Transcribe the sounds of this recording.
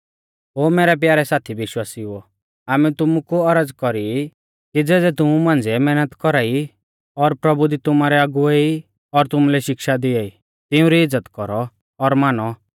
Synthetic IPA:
ɦoːmɛːɾɛp̬jaːɾɛsaːt̪ʰiʋɪʃwaːsiʊɔ | aːmɛt̪ʊmukuɐɾəd͡zkɔɾi | kid͡zɛːd̪ɛt̪ʊmumãːnd͡ziɛmɛːnət̪kɔɾaːi | ɔɾpɾɐbud̪it̪ʊmaːɾɛaɡʊei | ɔɾt̪ʊmulɛʃɪkʃad̪ɪaːi | t̪ɪũɾiɪd͡zːət̪kɔɾɔː | ɾmaːnɔ

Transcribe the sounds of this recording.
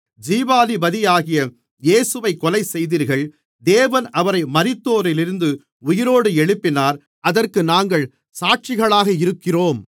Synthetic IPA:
d͡ʒiːbaːlibɐðɪjaːɣɪjɐ | jeːsɯʋɐɪkɔlɐɪsɛjðiːɾɣɐɭ | d̪eːʋɐnɐʋɐɾɐɪmɐɾɪt̪ːoːɾɪlɪɾɯnd̪ɯ | ʊjɪɾoːɽɯɛɻɯpːɪnaːɾ | ɐðɐrkɯnaːŋɡɐɭ | saːʈ̚t͡ʃɪɣɐɭaːɣɐɪɾɯkːɪroːm

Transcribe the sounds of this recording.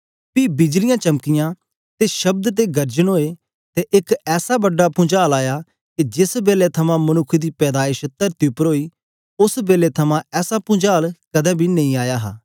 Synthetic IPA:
piːbɪd͡ʒlɪjãːt͡ʃɐmkɪjãː | t̪eʃɐb̚d̪t̪̬eɡɐɾd͡ʒənɦoːe | t̪eʔɪkɛːsabɐɖːapʊ̃d͡ʒaːlaːja | ked͡ʒɪsbeːlet̪ʰɐmãːmɐnʊkʰːd̪iːpɛːd̪aːɪʃt̪əɾt̪ɪpəɾɦoːiː | ʊsbeːlet̪ʰɐmãɛːsapʊ̃d͡ʒaːlkɐd̪ɛ̃ːbʱiːnɐ̃ĩːaːjaːɦa̰ː

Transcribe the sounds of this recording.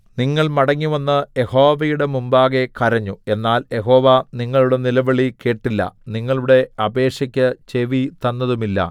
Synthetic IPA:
niŋːɐɭmɐɽɐŋːiʋɐnːɨje̞ho̞ːʋɐjuɽe̞mumbaːɣe̞kɐɾɐɲːue̞nːaːlje̞ɦo̞ːʋaniŋːɐɭuɽe̞nilɐʋɐɭike̞ːʈːilːɐ̰niŋːɐɭuɽe̞ɐbe̞ːʂɐkʲːɐt͡ɕe̞ʋit̪ɐnːɐðumilːɐ̰

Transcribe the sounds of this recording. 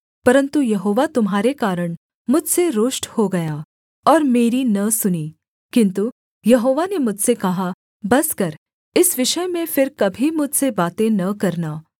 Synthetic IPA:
pɐɾə̃nt̪ujɐɦoːʋat̪ʊmɦaːɾekaːɾəɽ̃ | mʊd͡ʒʱseɾoːʃʈhoɡɐjaː | ɔːɾmeːɾinɐsʊniː | kɪ̃nt̪u | jɐɦoːʋanemʊd͡ʒʱsekɐɦa | bɐskɐɾ | ɪsʋɪʃəjmẽfɪɾkɐbʱimʊd͡ʒʱsebaːt̪ẽnɐkɐɾnaː

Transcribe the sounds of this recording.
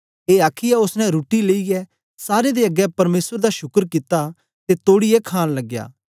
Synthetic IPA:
eːaːkʰijɛʊsnɛ̃ɾuːʈileiɛ | saːɾed̪eːɐɡɛpɐɾmeːsəɾd̪aʃʊkəɾkit̪ːa | t̪et̪oːɽiɛkʰaːnlɐɡja̰ː

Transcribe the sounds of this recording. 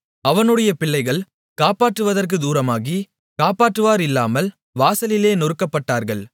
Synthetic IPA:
ɐʋɐnɯɽɐjɐpɪɭːɐɪɣɐɭ | kaːpaːʈːɯʋɐðɐrk̬ɯd̪uːɾɐmaːɣi | kaːpaːʈːɯʋaːɾɪlːaːmɐl | ʋaːsɐlɪleːnʊɾɯkːɐpːɐʈːaːɾɣɐɭ

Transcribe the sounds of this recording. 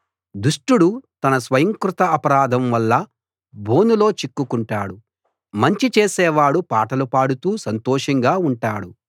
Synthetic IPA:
d̪uʂʈuɽut̪ɐnɐsʋɐjɐŋkɾut̪ɐɐpɐɾaːd̪ʱɐmʋɐlːɐ | bʱoːnulo̞ːt͡ʃikːukuɳʈaːɽu | mɐɲt͡ʃit͡ʃeːsɛːʋaːɽupaːʈɐlupaːɽut̪uːsɐnt̪ɔːʂɐŋɡaːuɳʈaːɽu

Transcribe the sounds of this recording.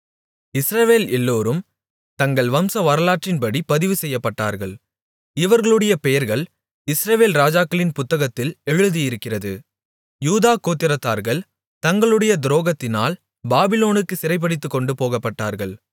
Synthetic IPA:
ɪsɾɐʋeːlɛlːoːɾɯm | t̪ɐŋɡɐɭʋɐmsɐʋɐɾɐlaːʈrɪnpɐɽipɐðɪʋɯsɛjːɐpːɐʈːa̰ːɾɣɐɭ | ɪʋɐɾɣɐɭɯɽɐjɐpɛjɐɾɣɐɭ | ɪsɾɐʋeːlɾaːd͡ʒaːkːɐɭɪnpʊt̪ːɐɣɐt̪ːɪlɛɻɯðijɪɾɯkːɪrɐðɯ̰ | juːðaːkoːt̪ːɪɾɐt̪ːaːɾɣɐɭ | t̪ɐŋɡɐɭɯɽɐjɐd̪ɪɾoːɣɐt̪ːɪna̰ːl | baːbɪloːnɯkːɯsɪɾɐɪp̬ːɐɽɪt̪ːɯkːɔɳɖɯpoːɣɐpːɐʈːa̰ːɾɣɐɭ

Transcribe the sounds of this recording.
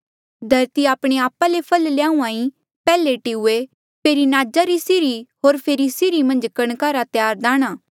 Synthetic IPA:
d̪ʱɐɾt̪iaːpɽ̃eaːpalepʰɐlljãːũaːĩ | pɛːleʈiʊe | pʰeːɾinaːd͡ʒaɾisɪɾiɦoːɾpʰeːɾisɪɾimɐ̃nd͡ʒkɐɽ̃kaːɾat̪jaːɾd̪ãːɽ̃aː

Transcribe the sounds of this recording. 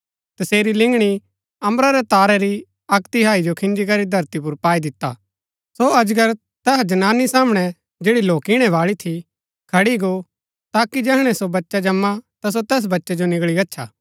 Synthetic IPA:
t̪ɐseːɾilɪ̃ŋɡɽ̃i | ɐ̃mɾaɾɛt̪aːɾɛɾi | ɐkt̪iɦaːid͡ʒokʰɪ̃nd͡ʒikɐɾid̪ʱɐɾt̪ipʊɾpaːid̪ɪt̪ːa̰ | soɐd͡ʒɡəɾ | t̪ɛɦd͡ʒɐnaːnːisaːmɽ̃ɛ | d͡ʒeːɽiloːkɪɽ̃ɛʋaːɭit̪ʰi | kʰɐɽiɡo | t̪aːkid͡ʒɛɦɽ̃ɛsobɐtːʃad͡ʒɐmːat̪as̬ot̪ɛːs̬bɐtːʃɛd͡ʒonɪɡɭiɐtːʃʰa̰ː

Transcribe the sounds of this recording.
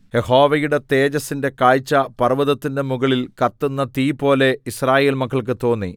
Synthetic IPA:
je̞ho̞ːʋɐjuɽe̞t̪e̞ːd͡ʑɐsːinde̞kaːjt͡ɕːɐpɐrʋɐðɐt̪ːinde̞muɣɐɭilkɐt̪ːunːɐt̪iːpo̞ːle̞israːje̞ːlmɐkʰːɐɭk̬ɨt̪o̞ːnːḭ

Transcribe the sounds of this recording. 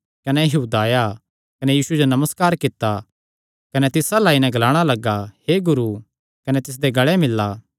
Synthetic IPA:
kɐnɛjɐɦuːd̪aːja | kɐnɛjiːsud͡ʒonɐməskaːɾkɪt̪ːa | kɐnɛt̪ɪsalaːinɛ̃ɡɐlaːɽ̃alɐɡːaheɡʊɾu | kɐnɛt̪ɪs̬d̪eɡɐɭɛmɪlːaː

